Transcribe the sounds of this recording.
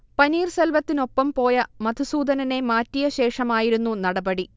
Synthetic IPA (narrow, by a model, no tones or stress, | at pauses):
pɐniːrselʋɐt̪ːino̞pːɐmpo̞ːjɐmɐd̪ʱusuːd̪ɐnɐne̞maːtːijɐɕe̞ːʂɐmaːjiɾunːunɐɽɐbɐɽi